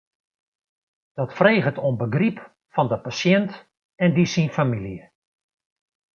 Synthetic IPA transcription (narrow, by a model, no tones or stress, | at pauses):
d̥ɔtfreːɣətonbəɡrip | fɔndəpasjɛnt | ɛndisinfamiljə